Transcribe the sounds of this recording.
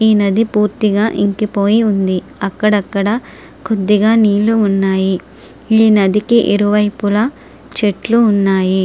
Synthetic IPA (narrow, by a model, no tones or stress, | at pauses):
iːnɐd̪ipuːɾt̪iɡaːʔiŋkipo̞ːjiund̪i | ɐkːɐɽɐkːɐɽɐ | kʰod̪ːiɡaːniːluunːaːji | iːnɐd̪ikiʔḭɾuʋɐjpulɐ | t͡ʃeʈluːnːaːji